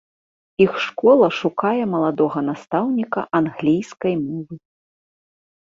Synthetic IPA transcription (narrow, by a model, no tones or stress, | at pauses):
ixʂkɔlˠɐʂukajɛmɐlˠad̪ɔɣɐnast̪awnʲikɐ̰ʔanɣlʲijskɐjmɔvɨ